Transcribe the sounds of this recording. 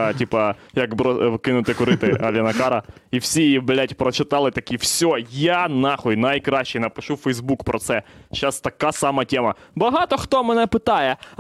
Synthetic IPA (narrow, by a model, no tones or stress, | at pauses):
tʲipɐjɐkbɾɔkɪnʊt̪ɪkʊɾɪt̪ɪʔɐʋʲjɐnɐkɑɾɐiwsʲijijiblʲatʲpɾɔt͡ʃɪt̪ɑlˠɪt̪ɐkʲiwsʲojanɑxɔjnɐjkɾɑɕʲːejnɐpɪʃufɛjzbukpɾʔɔt̪sɛʃast̪ɐkasɑmɐtʲemɐbɐɦɑt̪ɔxt̪ɔmɛnɛpɪt̪ɑjɛ